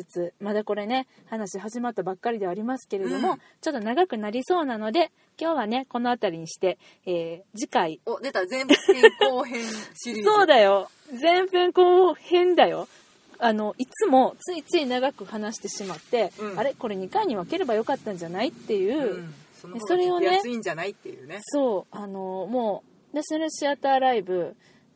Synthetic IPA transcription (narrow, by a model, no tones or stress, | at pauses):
ɨt͡sɨmad̪ako̞ɾe̞ne̞ | hanaɕiɦaʑimat̪ːabakːaɾʲid̪e̞aɾʲimasɨ̥ke̞ɾe̞d̪o̞mo̞ | t͡ɕo̞t̪ːo̞naɡakɯ̟naɾʲiso̞ːnano̞d̪e̞ | kʲo̞ːβane̞ko̞no̞at̪aɾʲiɲ̟iɕi̥t̪e̞ | eːd͡ʑikaid̪et̪ãkoɦẽso̞ːd̪ajo̞ | zẽ̞mbẽ̞ŋko̞ːhẽ̞nd̪ajo̞ | ano̞ʔit͡sɨmo̞t͡sɨit͡sɨinaɡakɯ̟hanaɕi̥t̪e̞ɕimat̪ːẽ̞aɾe̞ko̞ɾe̞ɲ̟ikaiɲ̟iβake̞ɾe̞bajo̞kat̪ːãɲ̟d͡ʑanait̪ːe̞jɯ̟ːonso̞ɾe̞o̞neĩɲd͡ʑanait̪ːejɯ̰ːneso̞ːano̞mo̞ː | naɕinaɾɯ̟ɕiat̪aːɾaibɯ̟